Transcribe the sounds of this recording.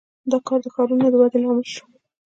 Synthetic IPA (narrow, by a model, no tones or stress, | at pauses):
d̪ɑkɑɾd̪əxɑɾunad̪əwad̪elɑmɪlʃu̥